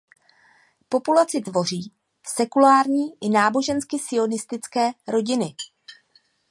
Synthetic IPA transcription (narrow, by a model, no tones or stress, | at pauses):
po̞pulat͡sɪt̪vo̞r̝iː | sɛkulaːɾɲiːʔɪnaːbo̞ʒɛnskɪsɪo̞nɪst̪ɪt͡skɛːɾo̞ɟɪnɪ